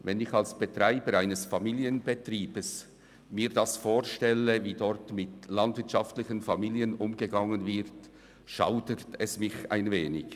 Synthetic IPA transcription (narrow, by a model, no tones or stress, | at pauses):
vɛnɪçalsb̥ətʁ̥aɪbəɾaɪnəsfamiːljənbətriːb̥əs | miːdasfoːʁʃtɛləviːdɔʁtmɪtlɑndvɪɐtt͡ʃaftlɪçənfamiːliənʔʊmɡəɡɑŋənvɪt | ʃa̰ʊdətʰɛsmɪça̰ɪnveːnɪç